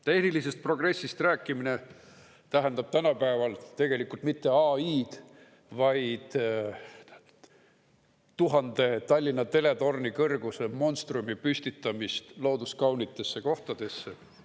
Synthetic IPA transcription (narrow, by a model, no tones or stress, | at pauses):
t̪e̞hnilise̞st̪̚pro̞ɡ̥re̞sːist̪ræːkːˑimine̞ | t̪æɦænd̪̥ɑb̥̚t̪ænɑpæevɑlt̪e̞ɡ̥e̞likult̪mit̪ːe̞ɑiːd̪̥ | vɑjd̪̥ | t̪uɦɑnd̪̥e̞t̪ɑlʲːinːɑt̪e̞le̞t̪o̞rnikɤrɡ̥usemo̞nst̪rumipysʲt̪it̪ːˑɑmist̪lo̞ːd̪uskɑwnit̪ːˑe̞sːe̞ko̞ht̪ɑd̪̥e̞sːe